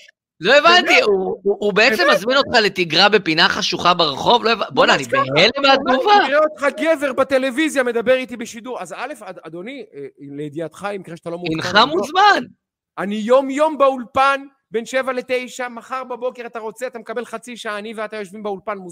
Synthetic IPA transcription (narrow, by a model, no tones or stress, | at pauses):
lo̞evant̪iuːbeet͡semazmino̞t̪χale̞t̪iɡʁabe̞pinaχaʃuχabeʁeχo̞vloevabodeanibehelemeat̪̚ɡuvaʁeot̪χaɡe̞ve̞ʁbat̪e̞le̞vizjame̞d̪abe̞ʁit̪ibeʃid̪uʁazale̞faad̪o̞nileed̪iat̪χaimikʁeʃat̪alomuinχamuzman | anijo̞mjo̞mbeulpan | be̞nʃe̞vale̞t̪e̞jʃamaχaʁbabo̞ke̞ʁat̪aʁo̞t͡seat̪amekabe̞lχat͡siʃaaːnimveat̪ajoʃvimbeulpanmu